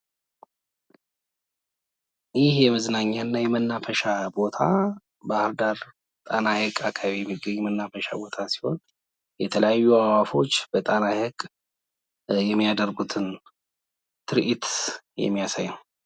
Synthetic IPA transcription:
jɪhjɛməznaɲːanːajɛmənːafəʃabo̞t̪ʰa | bahldaɾ | t̪ʼanahəkʼakʰaβijɛmːiɡəɲːɛmənːafəʃa̰bo̞t̪ʰasi̥ho̞̰n | jɛt̪ʰələjajːuawafo̞t͡ʃːb̥ət̪ʼanahəɡʼ | jɛmːijad̪əɾɡut̪ʰɨn | t̪ʰɨɾʔit̪jɛ̰mːijasajəw

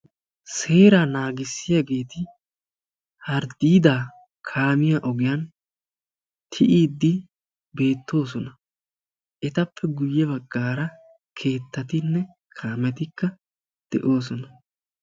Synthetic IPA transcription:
se̞ːɾaːnaːɡɪsːɪjaɡe̞ːt̪ɪ | hɐɾd̪iːd̪aː | kʰaːmɪjaːʔɔɡɪjan | t̪ʰɪʔiːd̪ːɪ | be̞ːt̪ːo̞ːs̬ɔnɐ | ʔɛt̪ɐpʰːɛɡʊjːɛbɐɡːaːɾɐ | kʰe̞ːt̪ːɐt̪ɪnːɛ | kʰaːmɛt̪ɪkːɐ | d̪̥ɛʔo̞ːs̬ɔnɐ

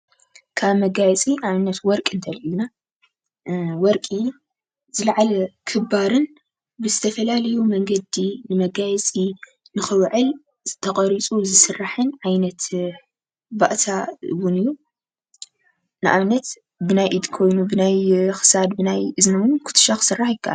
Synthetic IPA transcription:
kʰaβmɐɡajɛt͡sʼiaβnɐt̪wɔɾkʼɨnt̪ʰɐluna | wɔɾkʼiju | zɨlɐʕalɐkʰɨbaɾɨn | bɨzɨt̪ʰɐfɐlalɐjumɐŋɡɐd̪inɨmɐɡajɛt͡sʼi | nɨxɨwʕɨl | zɨt̪ʰɐkʼɐɾit͡sʼuzɨsɨrːaħɨnʕajnɐt̪ | baʔt̪ʰawunɨjːu | nɨʔa̰βnɐt̪ | bɨnajʔid̪kʰo̞jnubɨnajxɨ̥sad̪bɨnajʔɨznɐwɨnkʰʊ̥t̪ʰɨ̥ʃaxɨ̥sɨrːaħjɪkʰːaʔa̰l

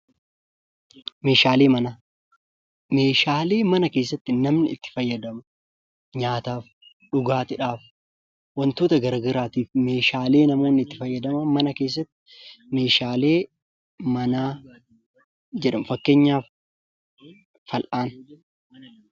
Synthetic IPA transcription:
me̞ːʃaːle̞ːmɐnaː | me̞ːʃaːle̞ːmɐnɐke̞ːs̬ːɐt̪ːɪnɐmnɪɪt̪ːɪ̥fɐjːɐd̪ɐmɐ | ɲaːt̪aːf | ᶑʊɡaːt̪ɪᶑaːf | wɐnt̪oːt̪ɐɡɐɾɡɐɾaːt̪iːfme̞ːʃaːle̞ːnɐmo̞ːnːɪɪt̪ːɪfɐjːɐd̪ɐmɐmɐnɐke̞ːs̬ːɐt̪ːɪ̥ | me̞ːʃaːle̞ː | mɐnaː | d͡ʒɛᶑɐmfɐkːe̞ːɲːaːf | ɐlʔaːn

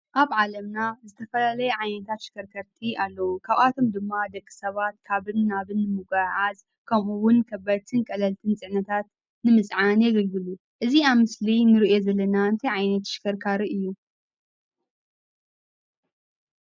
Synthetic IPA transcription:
ʔaβʕalɐmnazɨt̪ʰɐfɐlalɐjeʕajnɐt̪ʰat̪ʃɪ̥kʰɐɾkʰɐɾt̪ʰialːɐwukʰaβat̪ʰo̞md̪ɨmːad̪ɐkʼːi̥sɐβat̪kʰaβɨnːaβɨnːɨmɨɡaʕaz | kʰɐmʔuwʊnkʰɐbat̪ʰɨnkʼɐlɐlt̪ʰɨnt͡sʼɨʕnɐt̪ʰat̪̚ | nɨmɨsʼʕanjɛɡɐlɡɨlu | ʔɨziaβmɨslinɨɾiʔjo̞zɐlːɐnaɨnt̪ʰɐjʕajnɐt̪ʃɪ̥kʰɐɾkʰaɾiʔɨjːu

